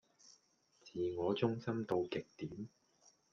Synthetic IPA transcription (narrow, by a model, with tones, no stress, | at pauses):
t͡siː˨ŋɔː˨˧t͡sʊ˥ŋsɐ˥mt̪o˧wkɪ˨k̚t̪iː˨˥m